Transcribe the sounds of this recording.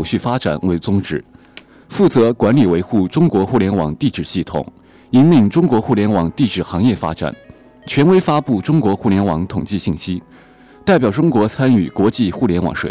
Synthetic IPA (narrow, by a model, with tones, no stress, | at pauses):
ʊɕy˥˩fa˥ʈ͡ʂa̰˨˩nwe˧˥ɪt͡sʊ˥ŋʈ͡ʂɻ̩˨˩˦ | fu˥˩t͡sɤ˧˥kwa˧˥nli˨˩we˧˥ɪxu˥˩ʈ͡ʂʊ˥ŋkwɔ˧˥xu˥˩ljɛ˧˥nwɑ̰˨˩ŋt̪i˥˧ʈ͡ʂɻ̩˥˨˩ɕi˥˩t̪ʰʊ̰˨˩˦ŋ | i˥nli˥˩ŋʈ͡ʂʊ˥ŋkwɔ˧˥xu˥˩ljɛ˧˥nwɑ˨˩ŋt̪i˥˧ʈ͡ʂɻ̩˨˩xɑ˧˥ŋjɛ˥˩fa̰˥ʈ͡ʂa̰˨˩˦n | t͡ɕʰɥɛ˧˥nwe˥ɪfa˥pu˥˩ʈ͡ʂʊ˥ŋkwɔ˧˥xu˥˩ljɛ˧˥nwɑ˧˥ŋt̪ʰʊ˨˩ŋt͡ɕi˥˧ɕi˥˩nɕi˥ | t̪a˥˩ɪpjɑ˨˩ʊʈ͡ʂʊ˥ŋkwɔ˧˥t͡sʰa˥ny˨˩kwɔ˧˥t͡ɕi˥˧xu˥˩ljɛ˧˥nwɑ̰˨˩˥ŋʂwḛ˨˧˩